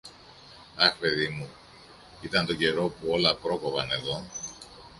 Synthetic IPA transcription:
ɐxpe̞ðimu | it̪ɐnt̪oɟe̞ɾo̞puo̞lɐpɾo̞ko̞vɐne̞ðo̞

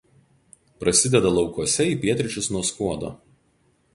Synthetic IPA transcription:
pɾɐsʲɪd̪ʲɛd̪ɐlˠɒʊkuɔsʲɛiːpʲiɛt̪ʲɾʲɪt͡ʃʲʊsnuɔskuɔd̪o̰ː

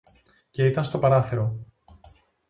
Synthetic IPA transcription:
ce̞it̪ɐnst̪opɐɾɐθeɾo̞

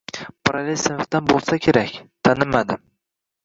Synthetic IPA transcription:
pʰaɾalesɪnft̪anbolˠsakʲʰe̞ɾakʲt̪ʰanɪmad̪ɪm

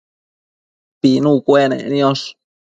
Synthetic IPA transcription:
pinũkʷenḛ̃njoʂ

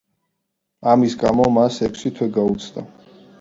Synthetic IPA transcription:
amisɡamɔmasɛkʷʰsit̪ʰwɛɡaut̪sʰd̪a̰

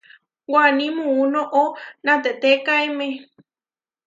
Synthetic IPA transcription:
wanĩmũunõʔonãt̪eʔt̪ekaemẽ

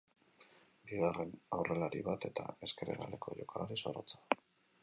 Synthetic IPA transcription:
biɣare̞nawre̞laɾiβat̪e̞t̪a̰e̞ske̞ɾḛɣa̰lekʰo̞ʝo̞kʰalaɾisoɾot͡sḁ

